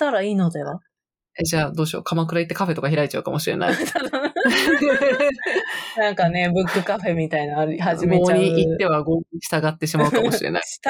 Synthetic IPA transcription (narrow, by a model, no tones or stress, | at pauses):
t̪aɾaiːno̞d̪eβa̰ | ed͡ʑaːd̪o̞ːɕo̞̰ːkʰamakɯ̟ɾait̪ːe̞kaɸe̞t̪o̞kaçiɾait͡ɕaɯ̟kamo̞ɕiɾe̞̰na̰ia | nãŋkane̞bɯ̟kːɯ̟kaɸe̞mʲit̪ainaɾiɦaʑiɡmɡeoːaɲiit̪ːe̞βaɡo̞ːɲiɕi̥t̪aɡat̪ːe̞ɕimaɯ̟kao̞ɕiɾe̞̰na̰i̥